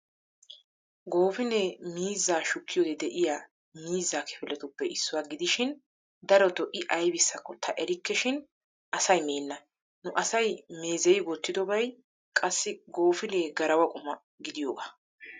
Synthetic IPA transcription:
ɡo̞ːfɪneːmiːzːaːʃʊkːɪjoːd̪ɛd̪ɛʔɪjaː | miːzːaːkʰɛ̥fɪlɛt̪ʊpːɛɪsːʊwaːɡɪd̪ɪʃɪn | d̪ɐɾɔt̪ɔʔɪʔɐjbɪsːɐkːɔt̪ʰɐʔɛɾɪkːɛʃɪn | ʔɐsɐjmeːnːɐ | nʊʔɐsɐjme̞ːzɛjɡɔt̪ːɪd̪ɔbɐj | kʼɐsːɪɡo̞ːfɪneːɡɐɾɐwɐkʼʊmɐ | ɡɪd̪ɪjoːɡaː

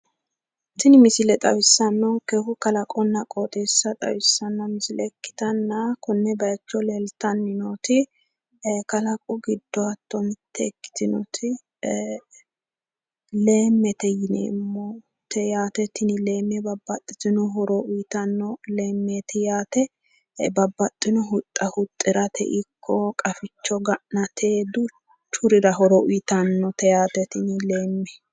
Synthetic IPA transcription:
t̪ɪnɪmɪsɪlɛt̪ʼɐ̰wɪsːɐnːɔkɛhʊkɐlɐkʼɔnːɐkʼot̪ʼeːsːɐt̪ʼɐ̰wɪsːɐnːɐmɪsɪlɛkːɪ̥t̪ɐnːɐkɔnːɛbɐjt͡ʃːɔlelt̪ɐnːɪnot̪ɪ | kɐlɐkʼɔɡɪd̪ːɔɐt̪ːɔmɪt̪ʰːɛkːɪ̥t̪ɪnɔ̰t̪ʰɪ | le̞ːmːɛt̪ɛjɪnḛːmːɔ | t̪ʰɛjaːt̪ɛt̪ɪnɪleːmːɛbɐbːɐt̪ʼːɪt̪ɪnɔɦɔɾɔʔʊjt̪ɐnːɔle̞ːmːeːt̪ɪjaːt̪ɛ | bɐbːɐt̪ʼːɪnɔɦʊt̪ʼːɐhʊt̪ʼːɪɾɐt̪ʰɛ̰ʔɪkʰːɔkʼɐfɪt͡ʃːɔɡɐʔnɐt̪ʰeːd̪ʊ | t͡ʃʊɾɪɾɐɦɔɾɔʔʊjt̪ɐnːɔt̪ɛjaːt̪ɛt̪ɪnɪle̞ːmːɛ

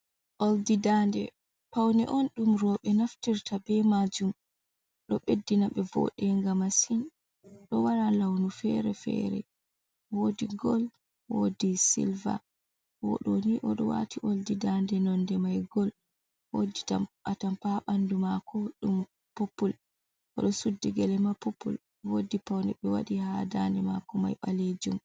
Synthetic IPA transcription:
ʔoldidandɛ | pawnɛʔɔnɗumɾɔɓɛnaftiɾtʰabɛmad͡ʒum | ɗɔɓedːinaɓɛvɔ̰ɗɛŋɡamasin | ɗɔwaɾalawnufɛɾɛfɛ̰ɾɛ̰ | wodiɡɔl | wodisḭlva̰ | wɔɗɔniʔɔɗɔwa̰tiʔoldidandɛnɔndɛmajɡɔl | woditamatampaɓandumakʰɔɗum | popːul | ʔɔɗɔsudːiɡɛlɛmapopːṵl | wodipawndɛɓɛwa̰ɗihadandɛma̰kɔma̰jɓaled͡ʒum

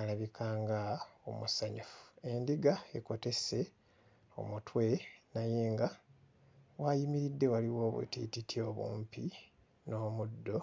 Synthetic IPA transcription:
alaβikʰaːŋɡao̰musaɲufu̥e̞ndiɡae̞̰ko̞te̞se̞ | o̞̰mutwe̞najeːŋɡa | wajimiɾidːe̞waliwo̞ːβḛtḭtitʰjo̞βṵːmpi | no̞ːmudːo̞

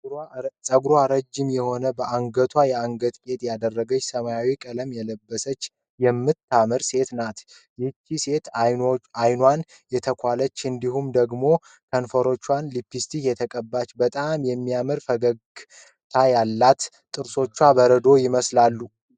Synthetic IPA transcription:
sʼəɡɾwaɾəd͡ʒːɪmjɛho̞nəbəʔaŋɡət̪ʰwajɛaŋɡət̪ʼkʼe̞t̪ʼjad̪ərːəɡət͡ʃːsəmajawikʼələmjɛləbːəsət͡ʃː | jɛmːɨt̪ʰːamɨɾse̞t̪nat̪ | jɛt͡ʃːise̞t̪ | ajnwan | jɛt̪ʰəkʰʷalət͡ʃːɨnd̪iɦumd̪əɡmo̞ | kʰənfəɾo̞t͡ʃːwanlipːist̪ʰijɛt̪ʰəkʼəbːat͡ʃːbət̪ʼamjɛmːijamɨɾfəɡəɡ | t̪ʰajalːat̪ | t̪ʼːɨɾso̞t͡ʃːwabəɾəd̪o̞jɪməslalːu

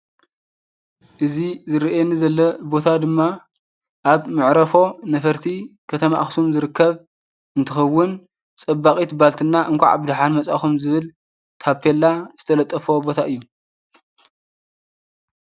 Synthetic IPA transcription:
ʔɨzizɨɾiʔenːizɐlːɐbo̞t̪ʰad̪ɨmːa | ʔaβmɨʕɾɐfo̞nɐfɐɾt̪ʰikʰɐt̪ʰɐmaʔxsumzɨɾɨkːɐβ | ɨnt̪ʰɨxɐwːɨn | t͡sʼɐbakʼit̪balt̪ʰɨnːaʔɨŋkʷa̰ʕa̰bɨd̪ħanmɐt͡sʼa̰xumzɨβɨl | t̪ʰapʰelːaz̥ɨt̪ʰɐlɐt̪ʼːɐfobo̞t̪ʰaʔɨjːu

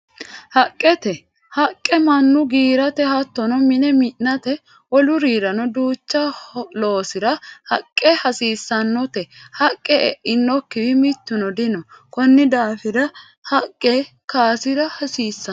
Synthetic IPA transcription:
hɐkʼːɛt̪ɛ | hɐkʼːɛmɐnːʊɡiːɾɐt̪ɛhɐt̪ːɔnɔmɪnɛmɪʔnɐt̪ɛ | ʔɔlʊɾiːɾɐnɔd̪uːt͡ʃːɐlo̞ːsɪɾɐhɐkʼːɛhɐsiːsːɐnːɔt̪ɛhɐkʼːɛɛ̰ʔɪnːɔkːɪdɪmɪt̪ːʊnɔd̪ɪnɔkɔnːɪd̪aːfɪdɐ | hɐkʼːɛ | kaːsɪɾɐhɐsiːsːɐ

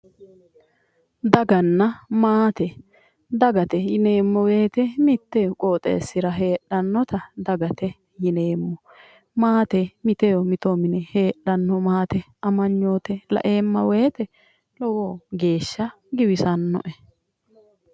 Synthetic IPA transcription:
d̪ɐɡɐnːɐmaːt̪ɛ | d̪ɐɡɐt̪ɛjɪne̞ːmːɔweːt̪ɛmɪt̪ːɛjɔkʼoːt̪ʼḛːsːɪɾɐɦe̞ːɗːɐnːɔt̪ɐd̪ɐɡɐt̪ɛ | jɪne̞ːmːɔ | maːt̪ɛmɪt̪ɛjɔmɪt̪omɪnɛhe̞ːɗɐnːɔmaːt̪ɛ | ɐmɐɲːo̞ːt̪ɛlɐ̰ʔe̞ːmːɐ̰weːt̪ɛ | lɔwoːɡe̞ːʃːɐ | ɡɪwɪsɐnːɔ̰ʔɛ

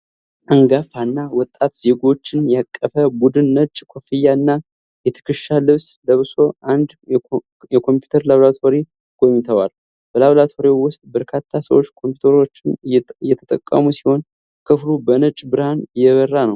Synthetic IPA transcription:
ʔəŋɡafanːawɔt̪ʼːat̪z̥e̞ɡo̞t͡ʃːɪnjakʼːəfəbud̪ɨnːət͡ʃʼkʰofijːaɨnːa | jɛt̪ʰɨ̥kʰɨʃalɨβsləβɨso̞ʔand̪ | jɛkʰo̞mpju̥t̪ʰəɾlaβlat̪ʰoɾe | kʰojmt̪ʰəwal | b̥əlaβlat̪ʰo̞ɾewʊst̪ʼbəɾkʰat̪ʰːasəwot͡ʃːkʰompju̥t̪ʰəɾo̞t͡ʃːɪnɨjɛjɛt̪ʰət̪ʼə̰kʼːə̰musiho̞n | kʰɨflubənət͡ʃʼbɨɾhanjɛβərːanəw

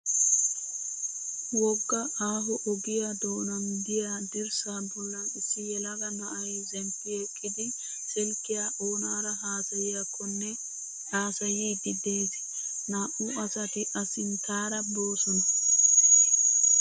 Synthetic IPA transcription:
wɔɡːɐʔaːɦɔʔɔɡɪjad̪oːnɐnd̪ɪjaːd̪ɪɾsaːbɔlːɐnɪsːɪjɛlɐɡɐnɐʔɐjzɛmpːɪɛkʼːɪd̪ɪ | sɛlkːɪjaːʔoːnaːɾɐɦaːsɐjɪjakʰːɔnːɛ | haːsɐjiːd̪ɪd̪eːt̪ɛ̥ | naːʔʊɐsɐt̪ɪʔɐsɪnt̪aːɾɐbo̞ːsɔnɐ

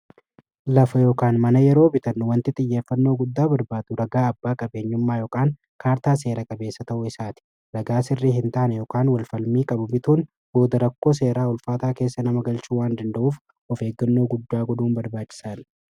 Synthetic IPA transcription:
lɐfɐjo̞ːkaːnmɐnɐjɛɾo̞ːbɪt̪ɐnːʊwɐnt̪ɪt̪ʼɪjːe̞ːfːɐnːo̞ːɡʊd̪ːaːbɐɾbaːd̪ʊɾɐɡaːɐbːaːkʼɐbe̞ːɲːʊmːaːjoːkʼaːŋ | kaːɾt̪aːs̬e̞ːɾɐkʼɐbe̞ːsːɐt̪ɐʔʊɪsaːt̪ɪ̥ | ɾɐɡaːsɪrːiːɦɪnt̪aːʔnɛjoːkaːnwɐlfɐlmiːkʼɐbʊbɪt̪uːn | bo̞ːd̪ɐɾɐkːo̞ːs̬e̞ːɾaːʊlfaːt̪aːke̞ːsːɐnɐmɐɡɐlt͡ʃuːwaːnd̪ɐnd̪ɐʔuːf | ɔfe̞ːɡːɐnːoːɡʊd̪ːaːɡɔd̪uːnbɐɾbaːt͡ʃʼːɪ̥saːn

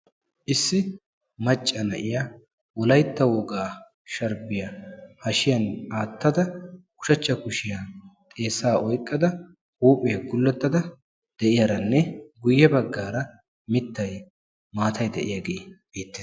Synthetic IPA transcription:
ʔɪsːɪ | mɐt͡ʃʼːɐnɐʔɪja | wɔlɐjt̪ːɐwɔɡaː | ʃɐɾbɪjɐhɐʃɪjɐnaːt̪ːɐd̪ɐkʊ̥ʃɐt͡ʃːɐkʊʃɪjat̪ʼe̞ːsaːʔɔjkʼːɐd̪ɐ | huːpʼɪjɐɡʊlːɛt̪ːɐd̪ɐ | d̪̥ɛʔɪjaɾɐnːɛɡʊjːɛbɐɡːaːɾɐ | mɪt̪ːɐj | maːt̪ʰɐjd̪ɛʔɪ̰jaɡe̞ːb̥eːt̪ːeːs

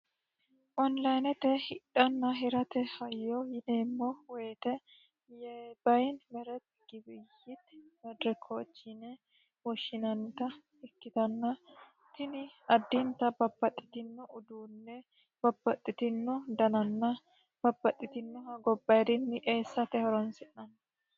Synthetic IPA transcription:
ʔɔnlɐjnɛt̪ɛhɪᶑɐnːɐɦɪɾɐt̪ɛhɐjːɔjɪneːmːoweːt̪ɛ | jɛbɐjnmɛɾɛt̪ɡ̥ɪbɪjːɪt̪mɛd̪ɾɛkʰoːt͡ʃːɪnɛ | wɔʃːɪnɐnt̪ɐ | ɛkːɪt̪ɐnːɐ | t̪ɪnɪɐd̪ːɪnt̪ɐbɐbːɐt̪ʼːɪ̥t̪ɪnːʊʊd̪uːnːɛ | b̥ɐbːɐt̪ʼːɪt̪ɪnːʊd̪ɐnɐnːɐ | b̥ɐbːɐt̪ʼːɪt̪ɪnːʊhɐɡɔbːɐd̪ɪnːɪʔeːsːɐt̪ɛhɔɾɔnsɪʔɐn

